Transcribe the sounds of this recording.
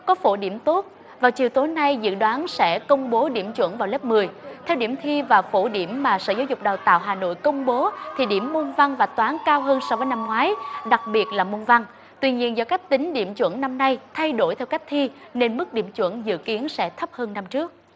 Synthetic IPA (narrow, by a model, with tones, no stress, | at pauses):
kɔ˨˦fo˧˩ɗḭ˧˩əmt̪o˦˥t̚ | vaː˨˩wt͡ɕi˨˩əwt̪o˨˦jna˧jzɨ̰˧˨ɗwaː˨˦nsɛ̰˧˥kə˧wŋ͡mɓo˨˦ɗḭ˧˩əmt͡ɕwə̰˧˥nvaː˨˩wle˦˥p̚mɨ˨˩əjt̪ʰɛ˧wɗi˧˩əmt̪ʰi˧vaː˨˩wfo˧˩ɗi˧˩əmːaː˨˩sə̰ː˧˩zaː˨˦wzʊ˨˩k͡p̚ɗaː˨˩wt̪a̰ː˧˨wɦaː˨˩no̰˧˨jkə˧wŋ͡mɓo˨˦t̪ʰi˨˩ɗḭ˧˩əmːo˧nva˧ŋvaː˨˩t̪waː˨˦nkaː˧wɦəː˧nsɔ˧wvəː˨˦jna˧mŋwaː˨˦jɗa˨˩k̚ɓi˨˩ət̚laː˨˩mo˧nva˧ŋ | t̪wi˧ɲi˧ənzɔː˧wka˦˥k̟̚t̪ï˨˦ŋ̟ɗḭ˧˩əmt͡ɕwə̰˧˥nna˧mna˧jt̪ʰa˧jɗo˧˩jt̪ʰɛ˧wka˦˥jk̟̚t̪ʰi˧ | ne˧nmɨ˦˥k̚ɗḭ˧˩əmt͡ɕwə̰˧˥nzɨ̰˧˨ki˨˦ənsɛ̰˧˥t̪ʰə˦˥p̚həː˧nːa˧mt͡ɕɨ˦˥ək̚